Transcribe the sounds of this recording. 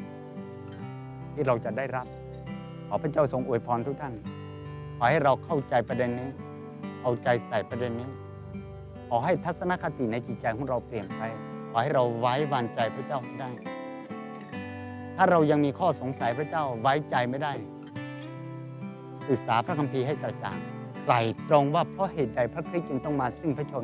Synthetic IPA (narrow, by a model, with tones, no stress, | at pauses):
t̪ʰiː˥˩ɾa˧wt͡ɕa˨˩daː˥˩jɾa˦˥p̚ | kʰɔː˨˩pʰa˥˩t͡ɕa˥˩wso˧ŋʔu˨˩əjpʰɔː˧nt̪ʰu˦˥t̪ʰa˥˩n | kʰɔː˨˩˦ha˥˩jɾa˧wkʰa˥˩wt͡ɕa˧jpɾa˧de˧nːiː˦˥ | ʔa˧wt͡ɕa˧jsa˨˩jpɾa˧de˧nːiː˦˥˩ | kʰɔː˨˦ɦa˥˩jt̪ʰa˦˥t̪̚sa˧na˦˥˩kʰa˧t̪i˨˩na˧jt͡ɕi˨˩t͡ɕa˧jkʰɔː˨˦ŋɾa˧wpli˨˩əmpʰa˧jkʰɔː˨˩ha˥˩jɾa˧wwaː˦˥jwaː˧ŋt͡ɕa˧jpʰɾa˧˥˩t͡ɕa˥˩wma˥˩jda˥˩j | t̪ʰaː˥˩ɾa˧wja˧ŋmiː˧kʰɔː˥˩so˨˦ŋsa˨˩˦jpʰɾa˥˩t͡ɕa˥˩wwaː˦˥jt͡ɕa˧jma˥˩jda˥˩j | sɯ˨˩k̚saː˨˦pʰɾa˦˥˩kʰa˧mpʰiː˧ɦa˥˩jka˨˩t͡ɕa̰ː˨˩ŋ | kla˨˩jt̪ɾo˧ŋwaː˧˥˩pʰɔ˦˥˨ɦeː˨˩t̪̚da˨˧˩jpʰɾa˧˥˩kʰɾi˦˥t̪̚t͡ɕɯ˧ŋt̪ɔ˥˩ŋmaː˧sɯ˥˩ŋpʰa˥˩t͡ɕʰo˧